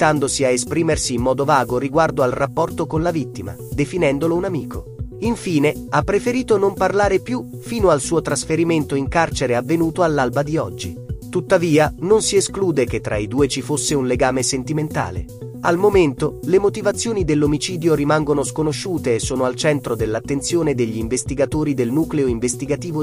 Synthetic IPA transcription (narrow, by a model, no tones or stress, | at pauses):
t̪and̪osiaespɾiːmersiːmːɔːd̪ovaːɡoɾiɡward̪oalrapːɔrt̪okonlavit̪ːima̰d̪efinɛnd̪olounamiːkʰo | iɱfiːne | apːɾefeɾiːt̪onomparlaːɾepju | fiːnoalsuːot̪ɾasfeɾiment̪oiŋkart͡ʃeɾeavːenuːt̪oalːalbad̪iɔd͡ʒːḭt̪ut̪ːaviːanonsieskluːd̪eket̪ːɾʔa̰id̪uːet͡ʃifosːeunleɡaːmesent̪iment̪a̰ːlḛ | almoment̪olemot̪ivat̪sːjoːnid̪elːomit͡ʃiːd̪joɾimaŋɡonoskonoʃːuːt̪eːsːoːnoalt͡ʃɛnt̪ɾod̪elːat̪ːent̪sjoːned̪eʎːiːɱvest̪iɡat̪oːɾid̪elnuːkleoiɱvest̪iɡat̪iːvo